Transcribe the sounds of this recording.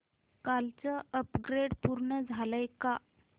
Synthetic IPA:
kalt͡səəpɡɾeɽpuɾɳəd͡zʱaləjka

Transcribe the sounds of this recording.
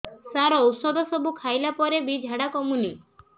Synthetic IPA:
saɾɔːwsɔd̪ɔsɔbukʰajlapɔɾebid͡ʒʱaɽakɔmuni

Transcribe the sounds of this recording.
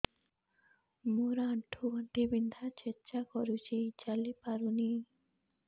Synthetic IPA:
moɾaɳʈʰuaɳʈibind̪ʱat͡ʃet͡ʃakɔɾut͡ʃʰit͡ʃalipaɾuni

